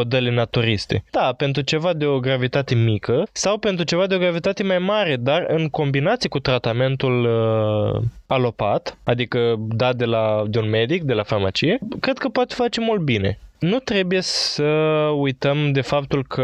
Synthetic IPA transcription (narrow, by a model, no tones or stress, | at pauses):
o̞d̪elenat̪uɾist̪e̞̰d̪̥ape̞nt̪ɾut͡ʃe̞vad̪e̞o̞ɡɾavit̪at̪e̞mikəsawpe̞nt̪ɾut͡ʃe̞vad̪eo̞ɡɾavit̪at̪emajmaɾe̞d̪arɨŋko̞mbinat̪sijekut̪ɾat̪ame̞nt̪ul | alo̞pat̪ad̪ikəd̪ad̪e̞lad̪e̞unme̞d̪ik̚d̪e̞lafarmat͡ʃije̞kɾe̞d̪̚kəpoat̪efat͡ʃemult̪̚bine̞̰nut̪ɾe̞buje̞səujt̪əmd̪e̞fap̚t̪ulkʰə